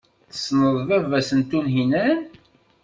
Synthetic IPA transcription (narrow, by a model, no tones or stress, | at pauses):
θsnəðˤvævæsənt̪unɦinæn